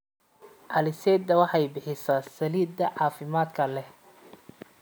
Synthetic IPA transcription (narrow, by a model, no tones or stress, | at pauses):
ʕɑlɪsɛːd̪ɐwɑħɑjbɪħɪsɐsɐliːd̪ɐʕɑːfɪmaːd̪kʰɐlɛ